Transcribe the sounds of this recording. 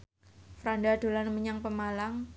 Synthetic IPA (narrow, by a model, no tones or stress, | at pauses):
fɾandad̪̥o̤lanməɲaŋpəmalaŋ